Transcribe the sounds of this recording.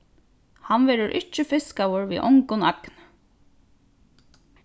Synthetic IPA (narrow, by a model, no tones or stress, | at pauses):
hanʋɛːɾʊɾʔɪt͡ʃːɪfɪskawʊɹʋḭʔʊ̰ŋkʊnakn